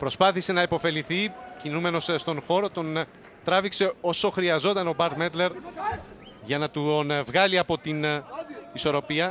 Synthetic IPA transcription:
pɾo̞spɐθise̞nɐepo̞fe̞liθicinume̞no̞sst̪o̞nxo̞ɾo̞t̪o̞n | t̪ɾɐvikse̞o̞so̞xɾiɐzo̞t̪ɐno̞bɐɾd̪met̪le̞ɾ | ʝɐnɐt̪unvɣɐliɐpo̞t̪in | iso̞ɾo̞piɐ

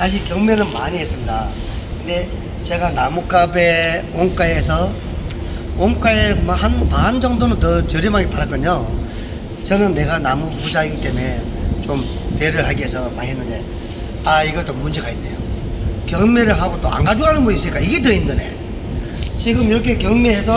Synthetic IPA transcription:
ad͡ʑikjʌŋmenɯnmaɲiɦes͈ɯmɲidakɯnd̪e̞ | t͡ɕe̞ɡanamuk͈abeoŋk͈aes̬ʰʌ | oŋk͈aemhanmand͡ʑʌŋdonɯntʌt͡ɕʌɾjʌmaɡipaɾak͈ɯɲo | t͡ɕʌnɯnːe̞ɡanamupud͡ʑaiɡit͈e̞me̞ | t͡ɕom | peɾɯɭɦaɡiɦesʰʌmaɦenːɯnde̞ | aiɡʌɭt͈omund͡ʑe̞ɡainːe̞̰jokjʌŋmeɾɯɭɦaɡot͈oa̰nɡad͡ʑoɦanɯnbunis͈ɯɲik͈aiɡe̞t̬ɯindɯne̞̰ | t͡ɕiɡɯmiɾʌkʰe̞kjʌŋmeɦesʰʌ

